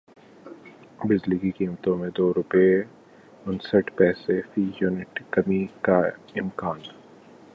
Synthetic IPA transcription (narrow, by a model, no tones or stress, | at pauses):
bɪzliːkikiːmt̪õmẽd̪oːɾʊpe | ʊnsəʈpɛːsefiːjuːnɪʈkɐmikaɪmkaːn